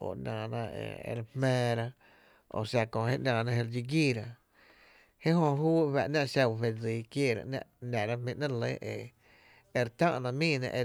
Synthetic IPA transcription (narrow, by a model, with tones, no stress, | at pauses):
o̰˧˨nãː˨nã˧ḛ˧ḛ˧ɾhmẽː˧ɾa˧ | o̰˧˨sa˧kõ˧˨hḛ˦ʔnãː˧˨nã˧he˧ɾd͡ʒi˧ɡiː˦˨ɾa˧ | he˦ɦõ˧ɦuː˦˧βa˨ʔnã˦˧ʔʃa˧˨fe˧d͡zi˨˦kjeː˧˨ɾa̰˧ʔnã̰˧ʔnã˨ɾa˦mĩ˧ʔnã˦˧le˦ʔe˧ | e˧ɾt̪ã̰˦ʔnã˧mĩː˦˧˨nã̰˧ʔe˧